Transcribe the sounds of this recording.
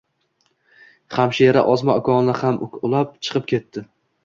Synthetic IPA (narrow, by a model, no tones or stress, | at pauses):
χamʃaɾaʔɒzmaɒkʰɒnlahamʊlˠap̚t͡ʃʰɨ̥qʰɨp̚kʲʰe̞t̪ʰːɪ